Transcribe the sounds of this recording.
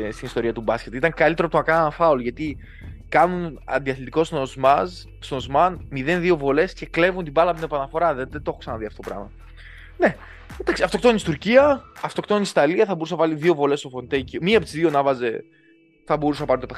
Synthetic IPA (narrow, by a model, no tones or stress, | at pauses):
st̪inist̪o̞ɾiɐt̪ubɐsce̞t̪it̪ɐŋkɐlit̪eɾot̪onɐkɐnɐnɐfɐolʝɐt̪i | kɐnunɐ̰nd̪iɐθit̪iko̞snozmɐz | sozmɐnmiðe̞nðio̞vo̞le̞sce̞kle̞vunt̪ibɐlɐpt̪inepɐnɐfo̞ɾɐðeðet̪o̞xoksɐnɐðiɐft̪oopɾɐ̰mɐ | ne̞ | nd̪aksiɐft̪o̞kt̪onist̪uɾciɐɐft̪o̞kt̪onnisi̥t̪ɐliɐθɐbo̞ɾus̬ɐɐvɐliðio̞vo̞le̞st̪o̞fo̞nt̪eciomiɐpt̪izðio̞nɐvɐze̞ | θɐbo̞ɾuseɐpɐɾint̪ope